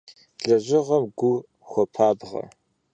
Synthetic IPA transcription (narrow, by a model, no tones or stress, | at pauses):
ɮɐʑʷɪʁɐmɡʷʊ | xʷɔpʰaːbʁɐ̰